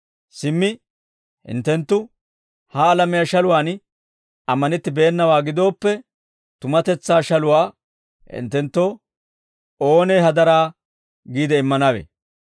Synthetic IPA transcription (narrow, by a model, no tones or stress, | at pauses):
sɪmːɪ | hɪ̰nt̪ːɛnt̪ːʊ | hɐːlɐmɪjɐʃɐlʊwaːn | ɐmːɐnɪt̪ːɪbeːnːɐwaːɡɪd̪o̞ːpːɛ | t̪ʊmɐt̪ɛt͡sːaːʃɐlʊwaː | hɪ̰nt̪ːɛnt̪ːo | oːneːhɐd̪ɐɾaː | ɡiːd̪ɛɪmːɐnɐwḛ